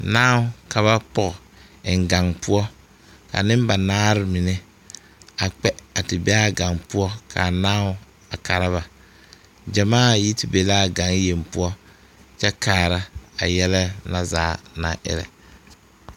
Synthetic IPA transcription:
naː˦ʊ˦ka˨βa˦pɔ˦˨ɣ | ɪ˨ŋ˨ɡa˨ŋpʊ˦ɔ˦ | ka̰˨nɪ˦m˦ba˨naː˦ɾɪ˦mɪ˨nɛ˦ | a˨k͡pɛ˦a˨tɪ˨bɛ˦a˦ɡa˨ŋpʊ˦ɔ˦kʰa̰˨naː˦ʊ˦ | a˨ka˨ɾa˦βa˨ | d͡ʒa˨maː˦˨ji˦tɪ˨be˨la˦˨ɡa˨ŋje˨mpʊ˦ɔ˦ | t͡ʃɛ˦kaː˨ɾa˦a˨jɛ˦lɛ˦na˦zaː˨˦na̰˨ʔɪ̰˦ɾɛ̰˨

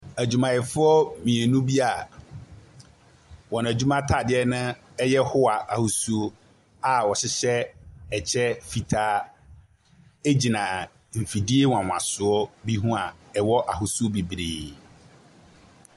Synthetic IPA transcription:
æ˨d͡ʑu˨mã˨jɛ˨fʊ˦ɔ˦mĩ˨e˨nũ˦bi˦a˨ | wɔ˨n˨æ˨d͡ʑu˦mã˦tʰa˨dɪ˦ɛ˦nʊ̃˦ | ɛ˦jɛ˦hʊ˦a˨ʔa˨hu˨su˦o˦ | a˨wɔ˨ɕɪ˦ɕɛ˦ɛ˨t͡ɕʰɛ˦fi˨tʰaː˦ | e˦d͡ʑi˨nã˨ | m̩˨fi˨di˦e˦wã˨wã̰˨sʊ˨ɔ˦bi˦ɦũ˦a˨ɛ˨wɔ˦ʔa˨ɦʊ˨su˦o˦bi˨bɾḭː˨

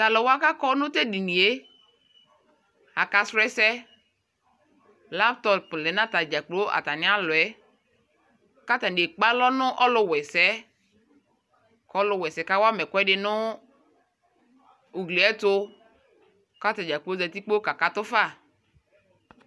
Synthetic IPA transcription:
ta˨lɔ˨wa˦ka˦kɔ˦nʊ̃˦te˦di˨ni˨e˦ | a˨ka˨sɾɛ˦sɛ˦ | la˦ptɔ˨plɛ˨nã˦ta˨d͡ʒa˨k͡po˦ʔa̰˨ta˨nɪ˦a˦lʊ˨ɛ˦ | ka˦ta˨n˨e˨k͡pa˦lɔ˦nʊ˦ʔɔ˦lʊ˦wɛ˨sɛ˦ | kɔ˨˦lʊ˨wɛ˨sɛ˨ka˦wa˦mɛ˨kʊ˦ɛ˦dɪ˨nʊ˦ | u˨ɡle˨ɛ˦tʊ˦ | ka˦ta˨d͡ʒa˨k͡po˦zɛ˨t̪i˦k͡po˦ka˨ka˨tʊ˦fa˦˨

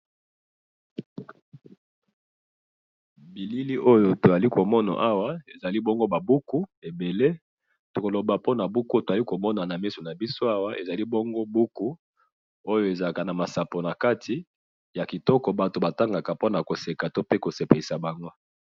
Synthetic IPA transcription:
bi˨li˦li˦ʔo˦jo˨to˨a˨li˦ko˨mɔ˦na̰˨ʔa˦wa˦e˨za˨li˦bo˦ŋɡo˦ba˨bu˦ku˦e˨be˨le˦ | to˨ko˨lo˨ba˨po˦na˨bu˦ku˦to˨za˨li˦ko˨mɔ˦na˨na˨mi˦so˨na˨bi˦so˦a˦wa˦ʔe˨za˨li˦bo˦ŋɡo˦bu˦ku˦ | o˦jo˦e˨za˨ka˨na˨ma˨sa˨po˨na˨ka˦tʰi˨ | ja˨ki˨tɔ˦kɔ˨ba˨to˨ba˨ta˦ŋɡa˨ka˨po˦na˨ko˨se˨ka˨to˦pe˦ko˨se˨pe˨li˨sa˨ba˨ŋɡo˦

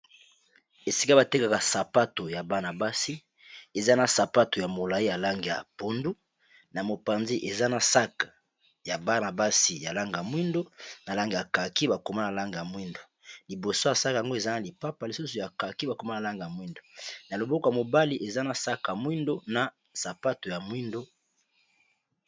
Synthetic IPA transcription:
e˨si̥˨ka˦ba˨te˦ka˨ka˨sa˨pa˦to˨ja˨ba˨na˨ba˦si˦ | e˨za˦na˨sa˨pa˦to˨ja˨mo˨la˨i˦ja˨la˦ŋɡi˨ja̰˨po˨ndu˦ | na˨mo˨pa˨nzi˦ʔe˨za˦na˨sa˦kḁ˨ | ja˨ba˦na˨ba˦si˨ja˨la˦ŋɡa˨mwi˦ndo˦na˨la˦ŋɡi˨ja˨ka˨ki˦ba˨ko˨ma˦na˨la˦ŋɡi˨ja˨mwi˦ndo˨ | li˨bo˨so˦ja˨sa˦ka˨a˨ŋɡo˦e˨za˦na˨li˨pa˦pa˨li˨su˦so˨ja˨ka˨ki˦ba˨ko˨ma˦na˨la˦ŋɡi˨ja˨mwi˦ndo˨na˨lo˨bo˦kja˨mo˨ba˦li˦ʔe˨za˦na˨sa˦ka˨mwi˦ndo˦na˨ | sa˨pa˦to˨ja˨mwi˦ndo˦

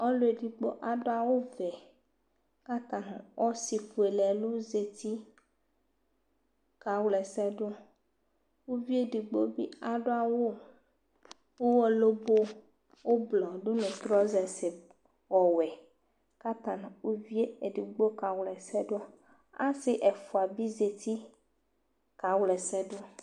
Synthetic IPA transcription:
ɔ˦lo˦e˨ɖi˨ɡ͡bo̰˦ʔa˨ɖo˦a˨wo˦vɛ˨ | ka˦t̪ã˨nã˨wʔɔ˦si˨ɸu˨e˨lɛ˨lo˦ze˨t̪i˦ | ka˨wlɛ˨sɛ˦ɖo˦ | wo˦vi˦e˨ɖi˨ɡ͡bo˦bḭ˦a˨ɖo˦a˨wo˦ | wo˦wɔ˦lo˦bo˦ | wo˦blɔ˨ɖo˦nẽ˨t̪ɾɔ˦zɛ˨se˨ | wɔ˨wɛ˨ | ka˦t̪a˨n˨wo˦vi˦e˦e˨ɖi˨ɡ͡bo˦ka˨wlɛ˨sɛ˦ɖo˦ | a˦sɪ˦ʔɛ˨fu˨a˨bi˦ze˨t̪i˦ | ka˨wlɛ˨sɛ˦ɖo˦

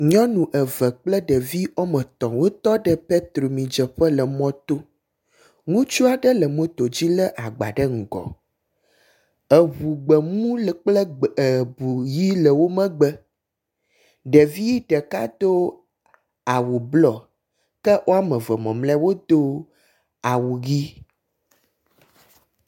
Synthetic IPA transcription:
ɲɔ̃˦nũ˨ʔə˨və˨k͡plə˦ɖə˨vi˦ɔ˦mə̃˨t̪ɔ̃˨wo˦t̪ɔ˦ɖə˦pe˦t̪ɾo˨mĩ˨d͡ʒə˨ɸə˦lə˨mɔ̃˦t̪o˦ | ŋũ˦t͡ʃu˦a˨ɖə˦lə˨mõ˦t̪o˨d͡ʑi˦lə˦ʔa˨ɡ͡ba̰˨ɖə˦ŋ̩˨ɡɔ̰˨ | ə˨βu˨ɡ͡bə˨mũ˦lk͡plə˦ə˨bu˨ji˦lə˨wo˦mə̃˦ɡ͡bə˦ | ɖə˨vi˦ji˦ɖə˨ka˦d̪o˦ | a˨wu˨blɔ˨ | kə˦ʔo˦a˦mə̃˨və˨mɔ̃˨mlɛ˦wo˦d̪o˦ | a˨wu˨ɣi˦

